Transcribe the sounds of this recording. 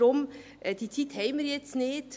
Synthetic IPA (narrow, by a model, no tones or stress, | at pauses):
ɔm | d̪it̪ʰit̪hɛɪməɾjɛt̪sneːt̪